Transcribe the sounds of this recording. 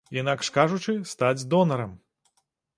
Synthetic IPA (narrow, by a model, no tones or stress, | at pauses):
inakʂkaʐut͡ʂɨst̪ad͡zʲd̪ɔnɐɾɐm